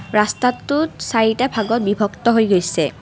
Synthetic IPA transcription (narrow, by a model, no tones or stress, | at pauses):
ɹastatːusaɹitabʱaɡɔt̚bibʱɔktɔɦojɡojsɛ